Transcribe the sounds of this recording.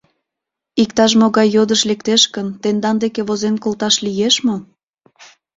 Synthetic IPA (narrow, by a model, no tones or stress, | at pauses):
ik̚t̪ɑʃ̬moɣɑjːod̪əʃlekt̪eʃkənt̪end̪ɑnd̪ekeβozenkolt̪ɑʃlijeʃmo